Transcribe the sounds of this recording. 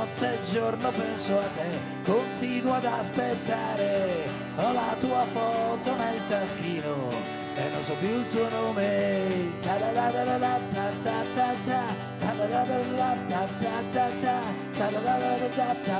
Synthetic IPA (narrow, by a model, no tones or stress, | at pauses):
ɔt̪ːed͡ʒornopɛnsoat̪ːe | kːont̪inwad̪aspet̪ːaːɾe | ɔlat̪uːafɔt̪onelt̪ask̟iːno | ḛnːo̰nsɔpjuilt̪uonoːmet̪ad̪alaɾaɾad̪at̪ːat̪ːat̪ːat̪ːa | t̪ad̪aɾaɾeɾdat̪ːat̪ːat̪ːat̪ːa | t̪aɾalaveɾed̪at̪ːa